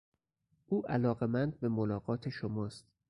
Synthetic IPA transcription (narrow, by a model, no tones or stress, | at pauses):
ʔuːʔælɒːɣe̞mænd̪̚be̞molɒːɣɒːt̪ʰeʃomɒːst̪̚